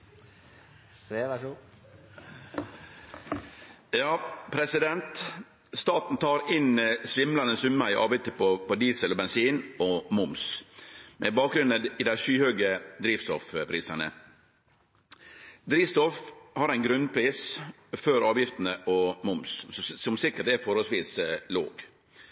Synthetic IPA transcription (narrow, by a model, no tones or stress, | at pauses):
seʋæʂu | jɑːpʰɾɛsɪd̪ɛnt̪ | st̪ɑːt̪n̩t̪ʰɑːɾɪnsʋɪmlɑnəsʉməɾɪʔɑ̰ːʋɪt̪əpʰɔpɔd̪iːsəlɔbɛnsiːnɔmʊms | mʔɛbɑːk̚ɡɾʉnəɪːd̪æɪʃyːhøːɡəd̪ɾiːʋst̪ɔfpʰɾiːsɑnə̰ | d̪ɾiːʋst̪ɔfhɑɾæɪnɡɾʉnpʰɾiːs | føɾɑːʋjɪft̪ənəʔɔmʊmssɔmsɪkːəʈ̚d̪ɛfɔɾhɔlsʋiːslo̰ːɡ